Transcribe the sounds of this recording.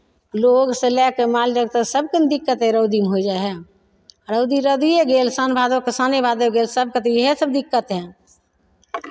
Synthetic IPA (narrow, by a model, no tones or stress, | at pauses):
loːɡsẽlɛkemaːlɾəɡ̚t̪əsəbkənd̪ɪkːət̪ɦɛ̃ɾəʊd̪imɦod͡ʒaːeɦɛ | ɾəʊd̪iɾəd̪ieɡeːlsanbʱaːd̪okəsanebʱaːd̪oɡeːlsəb̚kət̪ijɦesəbd̪ɪkːət̪ɦɛ̃